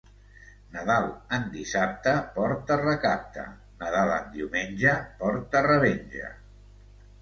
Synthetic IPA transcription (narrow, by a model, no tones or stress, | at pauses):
nəðalˠənd̪isap̚t̪əpɔɾt̪ərəkap̚t̪ə̰ | nəðalə̰nd̪iwmenʲʒəpɔɾt̪ərəβenʲʒə̰